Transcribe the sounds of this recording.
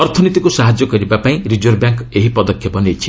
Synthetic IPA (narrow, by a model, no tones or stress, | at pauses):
ɔɾt̪ʰɔnit̪ikusaɦad͡ʒjɔkɔɾibapaĩɾid͡ʒoɾbjaŋkeɦipɔd̪ɔkʰjɔpɔnejt͡ʃʰi̥